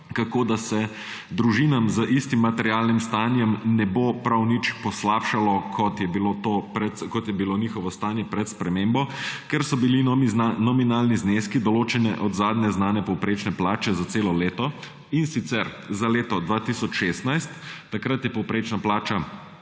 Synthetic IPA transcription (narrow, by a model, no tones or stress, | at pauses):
kakoːd̪asɛ | d̪ɾuʒinamzəʔist̪imːat̪ɛɾjaːlnimst̪aːnjɛmnɛbopɾawnit͡ʃpɔslaːpʃalɔkʰɔt̪jɛbilot̪opɾɛt̪kɔt̪jɛbiloniːxɔʋɔst̪anjɛpɾɛt̪spɾɛmembɔkɛɾsɔbilinɔminaːlnizneːskid̪ɔloːt͡ʃɛnɛ̰ʔɔd̪zaːd̪nɛznaːnɛpɔwpɾeːt͡ʃnɛplaːt͡ʃɛzat̪seːlɔleːt̪ɔ | insit̪sɛɾ | zaleːt̪ɔd̪ʋaːt̪isɔt͡ʃʃest̪najst̪ːakɾat̪jɛpɔwpɾeːt͡ʃnaplaːt͡ʃa